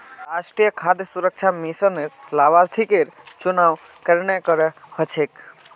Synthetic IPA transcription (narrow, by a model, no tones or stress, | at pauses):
ɾaʃʈɾijəkʰad̪jəsuɾək̚t͡ʃʰamisəneɾlaʋaɾt̪ʰikeɾt͡ʃʊnaʋ | kəɾnɛkəɾɛhət͡ʃʰek